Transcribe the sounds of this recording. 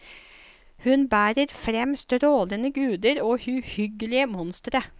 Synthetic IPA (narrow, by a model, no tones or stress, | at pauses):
hʉnbæːɾəɾfɾɛmst̪ɾoːlənəɡʉːd̪əɾoːhʉhʏɡəlɪəmɔnst̪ɾə